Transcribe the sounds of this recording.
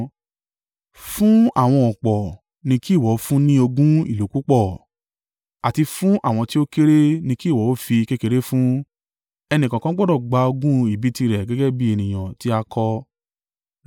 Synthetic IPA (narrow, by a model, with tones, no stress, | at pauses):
fũ˦a̰˦˨w̃ɔ̃˧ɔ˨k͡pɔ˨ | nĩ˧ki˦˨wɔ˨˦fũ˦nĩ˦o˧ɡũ˦ḭ˦˨lo˨˦ku˦k͡pɔ˦˨ | a˨ti˧fũ˦ʔa̰˦˨w̃ɔ̃˧ti˦o˦ke˦ɾe˦nĩ˧ki˦˨wɔ˨˦o˦fi˧ke˦ke˦˧ɾe˦fũ˦ | ɛ˧nĩ˨kã˨kã˦ɡ͡bɔ˦dɔ˦˨ɡ͡ba˧o˧ɡũ˦i˦˨bi˨˦ti˧ɾɛ˨ɡɛ˨˦ɡɛ˦bi˦e˨nĩ˨j̃ã˨ti˦a˧kʰɔ˧